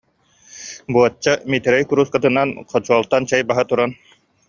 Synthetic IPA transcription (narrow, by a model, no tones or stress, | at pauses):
buɔt͡ɕːamit̪ɛɾɛjkuɾuskat̪ɯnanqʰɔt͡ɕuɔlˠt̪ant͡ɕɛjbaɦɯt̪uɾan